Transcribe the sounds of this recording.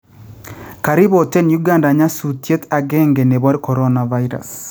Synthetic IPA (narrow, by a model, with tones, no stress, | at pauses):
ka˨ɾi˦βotɛ˦nju˦ɡa˦nda˨ɲa˦sutje˦ta˨ɡɛ˦ŋɡe˨ne˨βɔ˦ɾkɔ˨ɾɔna˨va˦iɾa̰˨s